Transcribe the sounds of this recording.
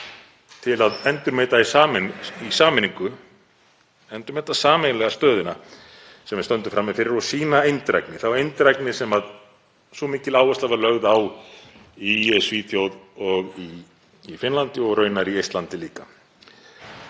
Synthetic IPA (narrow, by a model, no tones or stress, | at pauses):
t̪ʰɪlaðɛnt̪ʏɾmeːt̪aisaːmnisaːmɪnĩŋkʏ | ɛnt̪ʏɾmɛːjt̪asaːmejnlɛɣast̪œːðʏna | sɛmvɛɪst̪œnt̪ʏfɾamɪfɪɾɪɾɔsiːnaejnt̪ɾa̰jknɪθavɾejnt̪ɾajknɪsɛmað | sɔmiːcɪlaːwɛst̪lavalœɣðaw | iɛsviːθjowðɔɣiː | fɪnlant̪ɪɔɣrœːɥnaɾiejst̪lant̪ɪliːka